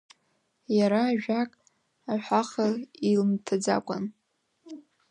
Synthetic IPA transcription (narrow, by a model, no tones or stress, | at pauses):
jaɾaːʒᶣakʼ | aħʷaχailmtʰad͡za̰kʷʼa̰n